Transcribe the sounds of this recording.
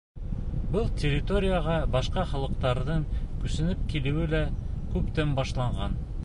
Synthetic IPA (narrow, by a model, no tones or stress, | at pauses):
bɤlˠtʲerʲːɪt̪oɾʲɪjaʁɑbɑʃqɑχɑlˠɤ̆q̚t̪ɑɾðɤɴkɵ̆sɘ̆nɘp̚kilɘ̆wɘlækʉpt̪ɘmbɑʃlˠɑɴʁɑn